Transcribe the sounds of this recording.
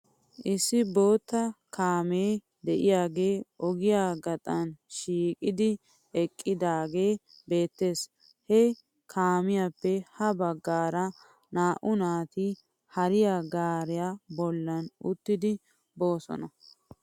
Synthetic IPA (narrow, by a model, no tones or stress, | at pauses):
ʔɪsːɪbo̞ːt̪ːɐkaːmeː | d̪ɛʔɪjaːɡe̞ːʔɔɡɪjaːɡɐt̪ʼɐnʃiːkʼɪd̪ɪ | ɛkʼːɪd̪aːɡe̞ː | be̞ːt̪ːe̞ːs | hɛ | kʰaːmɪjapːɛhɐbɐɡːaːɾɐ | naːʔʊnaːt̪ɪ | hɐɾɪjaɡaːɾɪjabɔlːɐnʊt̪ːɪd̪ɪ | bo̞ːsɔ̰nɐ